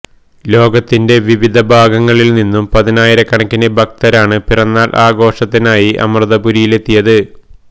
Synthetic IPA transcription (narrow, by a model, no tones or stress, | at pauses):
lo̞ːɡɐt̪ːinde̞ʋiʋid̪ʱɐbʱaːɡɐŋːɐɭilninːumpɐðinaːjiɾɐkːɐɳɐkʲːinebʱɐk̚t̪ɐɾaːɳɨpirɐnːaːlʔaːɡo̞ːʂɐt̪ːinaːjiʔɐ̰mrɨðɐbuɾijile̞t̪ːijɐðɨ